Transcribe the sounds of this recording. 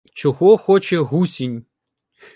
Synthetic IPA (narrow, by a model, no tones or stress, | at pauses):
t͡ʃɔɣɔxɔt͡ʃɛɦusʲinʲ